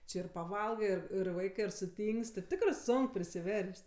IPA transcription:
ˈt͡ʃʲɪ ɪr pɐˈʋɐlˠɡɜ ɪr ɪr ˈʋɐɪkɜ ɪr sʊˈtʲiːŋksʲtʲ ɪr ˈtʲɪkrɜ ˈsoːŋk pʲrʲɪsʲɪˈʋʲɛrʲsʲtʲ

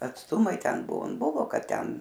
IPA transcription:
ɐtsˈtʊmɐɪ ˈtʲɛn ˈbʊʋoː ˈbʊʋoː ˈkɐt ˈtʲɛn

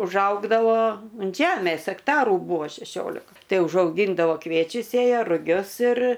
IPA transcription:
ʊʒˈɐʊɡdɐʋoː ʊnt ˈʒʲæːmʲeːs ɐkˈtɑːrʊ ˈbuːʋoː ʃʲɛˈʃʲoːlʲɪkɐ ˈtɐɪ ʊʒɐʊˈɡʲiːndɐʋoː ˈkʋʲiɛt͡ʃʲʊs ˈsʲeːjɛ rʊˈɡʲʊs ɪr

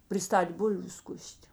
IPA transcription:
pʲrʲɪˈstɐtʲ ˈbʊlʲʋʲʊ ˈskʊsʲtʲ

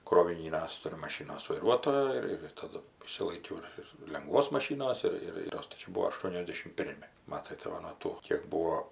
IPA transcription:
kroːʋʲɪˈnʲiːnʲɛs ˈtʊrʲʊ mɐˈʃʲɪnoːs ʋɐɪˈruɔtoːjoː ɪr ɪr tɐˈdʊ ɪʃʲsʲɪlˠɐɪˈkʲɛʊ ɪr ɪr lʲɛŋˈɡʋoːs mɐˈʃʲiːnoːs ˈɪr ɪr ˈtoːs tɐɪ ˈt͡ʃʲɛ ˈbuːʋoː ɐʃˈtuɔnʲɛzʲdʲɛʃʲɪm ˈpʲɪrʲmʲɪ ˈmɑːtɐɪ tɐɪ ˈʋɐ nuɔ ˈtuː kʲeːk ˈbuːoː

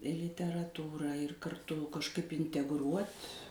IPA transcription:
lʲɪtʲɛrɐˈtuːrɑː ɪr kɐrˈtʊ kɐʃˈkɐɪp ɪnʲtʲɛɡˈruɔtʲ

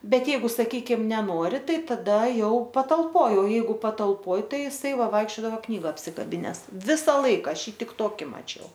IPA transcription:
ˈbʲɛt ˈjɛɪɡʊ sɐˈkʲiːkʲɪm nʲɛˈnoːrʲɪ ˈtɐɪ tɐˈdɐ ˈjɛʊ pɐtɐlˠˈpoːj oː ˈjɛɪɡʊ pɐtɐlˠˈpoːj ˈtɐɪ ɪˈsɐɪ ˈʋɐɪkʃʲt͡ʃʲoːdɐʋɐ ˈknʲiːɡɐ ɐpʲsʲɪkɐˈbʲɪnʲɛs ˈʋʲɪsɐ ˈlˠɐɪkɐ ˈɐʃ ˈjiː ˈtʲɪk ˈtoːkʲɪ mɐˈt͡ʃʲɛʊ

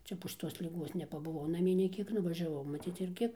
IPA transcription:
ˈt͡ʃʲɛ poː ʃʲɪˈtoːs lʲɪˈɡuɔs nʲɛpɐbʊˈʋɐʊ nɐˈmʲiɛ nʲɛɪ ˈkʲiɛk nʊʋɐʒʲɛˈʋɐʊ mɐˈt͡sʲiːt͡s ɪrʲˈɡʲɪ

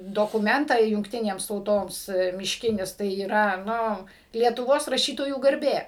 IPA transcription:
doːkʊˈmʲɛntɑː jʊŋkˈtʲɪnʲeːms tɐʊˈtoːms mʲɪʃʲˈkʲɪnʲɪs tɐɪ iːˈrɐ ˈnʊ lʲiɛtʊˈʋoːs rɐˈʃʲiːtoːjuː ɡɐrʲˈbʲeː

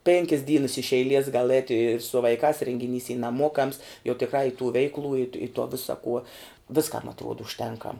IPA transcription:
ˈpʲeːŋʲkʲɪs ˈdʲiːnɐs ɪʃ ɛɪˈlʲiɛs ɡɐlˠ ˈɛːtʲ ɪ sʊ ʋɐɪˈkɑːs rʲeːŋʲɡʲɪˈnʲiːs iː nɐˈmuɔkɐms jɛʊ tʲɪkˈrɑː ɪ tuː ˈʋʲɛɪklˠuː ɪt ɪ toː ˈʋʲɪsɐ kuɔ ˈʋʲɪskɐm ɐtˈruɔt ʊʃʲˈtʲɛŋkɐm

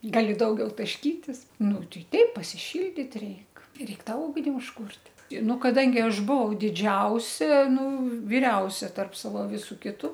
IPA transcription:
ˈɡɑːlʲɪ ˈdɐʊɡʲɛʊ tɐʃʲˈkʲiːtʲɪs ˈnʊ ˈtʲɛɪ ˈtʲɛɪp pɐsʲɪˈʃʲɪlʲdʲiːt ˈrʲɛɪk ˈrʲɛɪk ˈtɑː ˈʊɡnʲɪ ʊʃˈkuːrʲtʲ ɪ ˈnʊ kɐˈdɐŋʲɡʲɪ ˈɐʃ ˈbʊʋɐʊ dʲɪˈd͡ʒʲɛʊsʲɛ ˈnʊ ʋʲɪˈrʲɛʊsʲɛ tɐrp ˈsɑːʋoː ˈʋʲɪsʊ ˈkʲɪtʊ

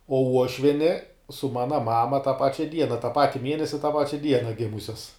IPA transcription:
oː ˈuɔʃʲʋʲiɛnʲɪ sʊ ˈmɑːnɐ ˈmɑːmɐ tɑː ˈpɑːt͡ʃʲɛ ˈdʲiɛnɐ tɑː ˈpɑːtʲɪ ˈmʲiɛnʲɛsʲɪ tɑː ˈpɑːt͡ʃʲɛ ˈdʲiɛnɐ ˈɡʲɪmʊsʲɛs

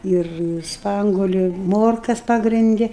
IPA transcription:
ɪr ˈspɐŋɡuɔlʲʊ ɪ ˈmoːrkɐs ˌpɑːɡrʲɪnʲˈdʲɪ

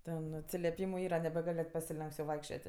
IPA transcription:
ˈtʲɛn ɐtʲsʲɪlʲɛˈpʲiːmʊ ˈiːrɐ nʲɛbʲɛˈɡɐlʲ nʲɛt pɐsʲɪˈlʲɛŋks jɛʊ ˈʋɐɪkʃʲt͡ʃʲoːtʲ

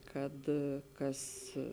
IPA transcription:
ˈkɐt ˈkɐs

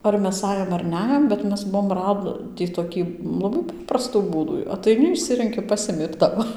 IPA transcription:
ɐr ˈmʲɛs ˈɑːjoːm ɐr ˈnʲæjoːm bʲɛt ˈmʲɛs ˈbuɔm ˈrɑːdʲiː toːˈkʲiː lˠɐˈbɐɪ ˈpɑːprɐstuː ˈbuːduː ɐtɐɪˈnʲɪ ɪʃʲˈsʲɪrʲɛŋʲkʲɪ ˈpɑːsʲɪmʲɪ ɪr ˈtɑːʋoː

